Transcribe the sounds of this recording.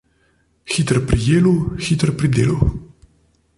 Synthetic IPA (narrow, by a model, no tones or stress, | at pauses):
xit̪ɾpɾijeːluwxit̪əɾpɾid̪ḛːluw